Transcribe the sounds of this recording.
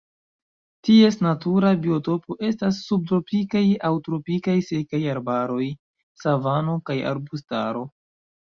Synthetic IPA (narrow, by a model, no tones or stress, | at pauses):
tie̞snatuɾabio̞to̞po̞ʔe̞stasːub̚tɾo̞pikajawtɾo̞pikajse̞kajaɾbaɾo̞j | savano̞kaja̰ɾbusta̰ɾo̞